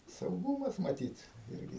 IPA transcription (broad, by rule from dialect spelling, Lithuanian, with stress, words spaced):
sɐʊˈɡuːmɐs mɐˈtʲiːt ˈɪrʲɡʲɪ